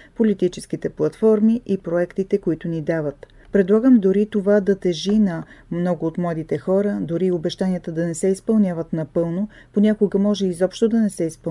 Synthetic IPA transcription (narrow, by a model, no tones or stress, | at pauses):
polit̪it͡ʃɛsk̟it̪ɛplˠɐt̪fɔɾmiʔipɾoɛkt̪it̪ɛkoit̪ʊnid̪avət̪ | pɾɛd̪lˠaɡəmd̪oɾit̪ovad̪ɐt̪ɛʒinɐmnɔɡʊːt̪mlˠad̪it̪ɛxɔɾəd̪oɾiobɛʃt̪aniət̪əd̪ɐnɛsɛispɐlˠnʲjavət̪nɐpɤlˠnoponʲakoɡəmɔʒɛizɔpʃt̪od̪ɐnɛsɛispɐ